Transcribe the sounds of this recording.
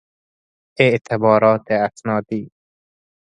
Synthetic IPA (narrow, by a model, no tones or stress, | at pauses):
eʔt̪ʰebɒːɾɒːt̪ʰeasnɒːd̪iː